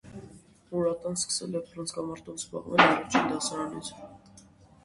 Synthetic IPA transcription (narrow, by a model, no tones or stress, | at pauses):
uɾat̪ʼanskʰʼsɛ̰liapʰɾansɡamaɾd̪ɔlsba̰qʼnɛnaɾat͡ʃʰind̪asaɾalis